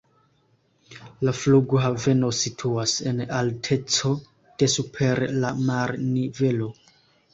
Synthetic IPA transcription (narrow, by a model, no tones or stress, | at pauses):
lafluɡoɦave̞no̞sitʰuase̞naltʰe̞t͡so̞ | d̥e̞supʰe̞ɾlamaɾnive̞lo̞